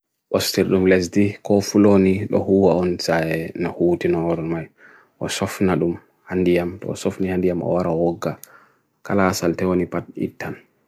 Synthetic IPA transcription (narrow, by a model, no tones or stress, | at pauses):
ʔɔstiɾɗumlɛs̬dikɔfuloniɗɔ̰huwaɔnsaɛnahuːtinɔɾɔnmaj | ʔɔsɔfnaɗum | handijamtɔ̰ːsɔfnihandijamɔ̰waɾawɔɡːa | kalasaltɛwonipat̚ḭtːan